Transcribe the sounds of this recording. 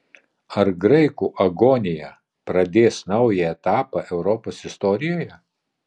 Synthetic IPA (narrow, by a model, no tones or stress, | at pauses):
ɐɾɡɾɐɪkuːʔɐɡoːnʲɪjɛ | pɾɐd̪ʲeːsnɐʊjɛɛt̪ɑːpɑʔɛʊɾɔpoːsɪst̪ɔɾʲɪjoːjɛ